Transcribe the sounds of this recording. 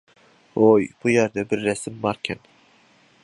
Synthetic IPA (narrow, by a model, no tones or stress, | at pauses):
ojb̥ujæɾd̪ɛbɪɾːɛsɪmbɑɾkʲʰɛn